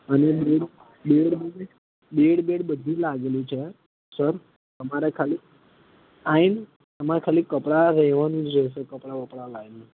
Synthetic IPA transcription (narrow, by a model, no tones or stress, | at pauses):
ənebeɽ | beɽbe | beɽbeɽbəd̪ʱilaɡlit͡ʃʰe | səɾ | t̪əmaɾekʰalik | ain | t̪əmaɾekʰaliːkːəpɽaɾɛʋanũd͡ʒəsekəpɽaʋəpɽalaɡli